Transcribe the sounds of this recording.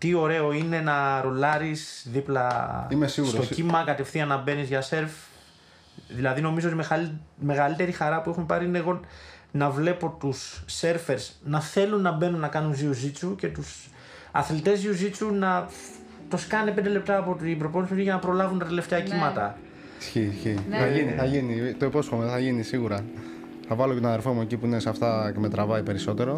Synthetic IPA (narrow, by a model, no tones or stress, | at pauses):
t̪io̞ɾe̞o̞ine̞nɐɾo̞lɐɾisðiplɐ | st̪o̞cimɐkɐt̪e̞fθiɐnɐbe̞nizʝɐse̞ɾf | ðilɐðino̞mizoot̪imeɐme̞ɣɐlit̪e̞ɾixɐɾɐpuexumpɐɾiineɣo̞nɐvle̞po̞t̪usːe̞ɾfe̞ɾsnɐθe̞lunːɐbe̞nunːɐkɐnunziuzit͡suce̞t̪us | ɐθlit̪e̞zðiuzit͡sunɐ | t̪oskɐnepe̞nd̪ele̞p̚t̪ɐːpo̞t̪ibɾoponsiiʝɐnɐpɾo̞lɐvunt̪ɐt̪ele̞ft̪e̞ɐcimɐt̪ɐ | isçisçiθɐiniθɐʝinit̪oiposi̥xomeðθɐʝinisiɣuɾɐ | θɐvɐlocet̪onɐðeɾfomuecipuineseɐft̪ɐcemet̪ɾɐvɐipe̞ɾiso̞t̪e̞ɾo̞